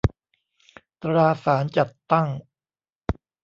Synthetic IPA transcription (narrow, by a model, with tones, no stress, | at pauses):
t̪ɾaː˧saː˩˦nt͡ɕa˨˩t̪ːa˥˩ŋ